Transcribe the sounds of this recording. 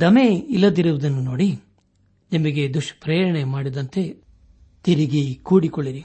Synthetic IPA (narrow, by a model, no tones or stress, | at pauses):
d̪ɐmeilːɐd̪iɾuʋud̪ɐnːuno̞ːɽi | nimɐɡe̞d̪uʂpɾeːɾɐɳemaːɽid̪ɐnt̪e̞ | t̪iɾiɡikuːɽikoɭːiɾi